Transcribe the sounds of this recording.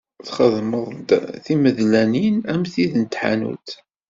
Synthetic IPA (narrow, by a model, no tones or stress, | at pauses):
θχəðməðˤθiməðlæninæmθiðnt̪ħa̰nṵθ